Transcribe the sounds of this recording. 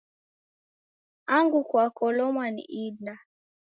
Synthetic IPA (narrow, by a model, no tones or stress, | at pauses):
aŋɡukwakɔlɔmwanḭʔidna